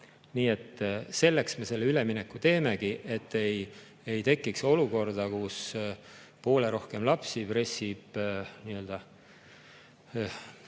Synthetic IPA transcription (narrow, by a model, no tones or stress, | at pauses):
niːe̞t̪ːse̞lːe̞ksme̞se̞lːeyle̞mine̞kːut̪e̞ːme̞ɡiʔe̞t̪ːe̞j | ejt̪e̞kːikso̞luko̞rd̪̥ɑkus | po̞ːle̞ɾo̞hke̞mlɑpsipre̞sib̥niːø̞ld̪̥ɑ